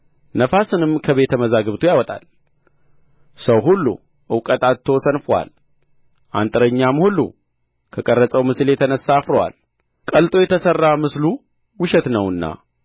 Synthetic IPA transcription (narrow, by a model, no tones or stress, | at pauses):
nəfasɨnɨmkʰəβe̞t̪ʰəməzaɡɨβt̪ʰujawɔt̪ʼa̰l | səwɦulːṵ | ʔɨwkʼət̪ʼat̪ʰːo̞sənfwa̰l | ʔa̰nt̪ʼɨɾəɲːamhulːṵ | kʰəkʼərːət͡sʼəwmɨsljɛt̪ʰənəsːafɾəwa̰l | kʼəlt̪ʼo̞jɛt̪ʰəsərːamɨslu | wʊʃɛt̪nəwɨnːa̰